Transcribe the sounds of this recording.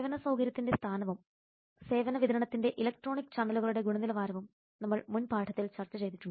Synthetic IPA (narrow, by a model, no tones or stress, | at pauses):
eʋɐnɐsɐwɡɐɾjɐt̪ːinde̞st̪ʰaːnɐʋum | se̞ːʋɐnɐʋid̪ɐɾɐɳɐt̪ːinde̞ʔilɐk̚ʈro̞ːɳikːɨ̥t͡ɕaːnd̪ɐluɣɐɭuɽe̞ɡuɳɐnilɐʋaːɾɐʋum | nɐmːɐɭmunpaːʈʰɐt̪ːilt͡ɕɐrt͡ɕːɐt͡ɕe̞jt̪itʲːu